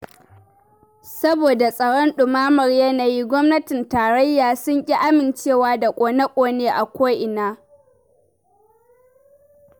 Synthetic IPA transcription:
sɐ˦boː˨da˨sʼɐ˨ɽɔ˦nɗʊ˨maː˦mɐ˨rjɐ˦naː˨ji˦ɡʷɔ˦mnɐ˦tɪ˨ntaː˨ɾɐ˦jːaː˨sʊ˦ŋkʲʼi˦ʔa˦mɪ˨nt͡ʃeː˦˨waː˦da˨kʷʼoː˨nɐ˦kʷʼoː˨neː˦ʔa˨kʷa˦jʔɪ˨naː˦

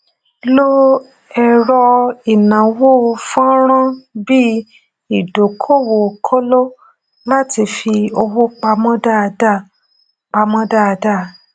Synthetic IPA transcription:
lo˦ | ɛ˨ɾɔ˧i˨nã˨wo˦˧fa˦ɾ̃ã˦bi˦ | i˨do˨kʰo˦˨wo˨kʰo˦lo˦ | la˦ti˧fi˧o˧wo˦k͡pa˧mɔ̃˦da˦˨˧da˦˨ | k͡pa˧mɔ̃˦da˦˨˧da˦˨

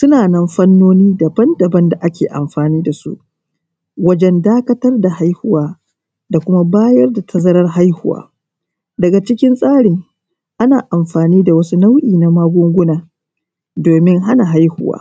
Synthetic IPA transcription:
sʊ˦naː˨nɐ˦mɸɐ˦nːoː˦niː˦da˨bɐ˦ndɐ˨bɐ˦nda˨ʔa˦kʲeː˨ʔa̰˨mɸaː˨niː˦da˨sṵ˦ʔ | wɐ˦d͡ʒɛ˦ndaː˦kɐ˦tɐ˦rda˨ha˦jhʊ˦waː˦ | da˨kʷʊ˦ma˦baː˦jɐ˦rda˨tʰɐ˦zɐ˦ɾɐ˦rɦa˦jhʊ˦wa̰ː˦ | dɐ˨ɡa˨t͡ʃɪ˦kʲɪ˦nsʼaː˦ɽɪ˨ŋ | ʔa˦naː˨ʔa˨mɸaː˨niː˦da˨wɐ˦su˦na˦wʔiː˨na˨maː˦ɡʷʊ˦ŋɡʷʊ˦naː˨ | doː˨mɪ˦ŋɦa˦na˨ɦa˦jhʊ˦wa̰ː˦

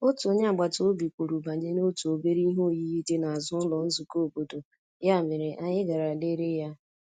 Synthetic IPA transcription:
o˦tu˨o˨ɲ˦a˨ɡ͡ba˨to˨o˦bi˨kʷu˨ɾu˨ba˨ɲe˦no˦tu˨o˨be˦ɾi˦ɦo˦˨ji˦ji˦de˦na˨a˨zʊ˦lɔ˨n̩˦zu˨ko˦o˨bo˨do˨ | ja˦˨mɪ˨ɾɪ˨ʔa˨ɲɪ˦ɡa˨ɾa˨le˦ɾe˦ja˦

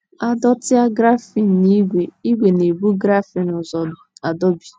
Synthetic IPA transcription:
a˦dɔ˦tɪ˦a˦ɡɾa˦fi˨n̩˨ni˦ɡʷe˨i˦ɡʷe˨ne˨bu˦ɡɾa˦fi˨nʊ˨zɔ˨a˨dɔ˦bi̥˨

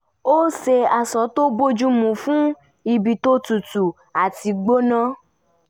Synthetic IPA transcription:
o˦se˧a˨sɔ˨˦to˦bo˦d͡ʒu˦mũ˨fũ˦ | i˧bi˨to˦tu˨tu˨ | a˨ti˧ɡ͡bo˦nã˦

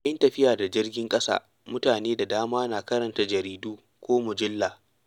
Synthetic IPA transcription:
ʔɐ˦ntɐ˨ɸɪ˦jaː˨da˨d͡ʒɪ˦rɡʲɪ˦ŋkʼɐ˦sa̰ː˦ | mʊ˦taː˨neː˦da˨daː˦maː˦naː˨kɐ˦ɾɐ˨nta˨d͡ʒɐ˨ɾiː˦duː˦ | kʷoː˦mʊ˨d͡ʒɪ˦lːaː˨

